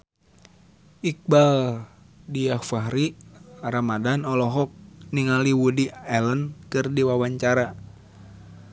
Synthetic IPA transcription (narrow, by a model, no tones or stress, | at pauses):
ik̚bal | diafaɦɾiaɾamadanɔlɔɦɔk̚niŋaliwudiɛlənkɨrdiwawaɲt͡ʃaɾa